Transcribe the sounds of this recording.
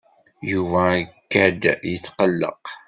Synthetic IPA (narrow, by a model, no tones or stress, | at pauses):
juvækːæd̪jət͡sːqəlːə̰q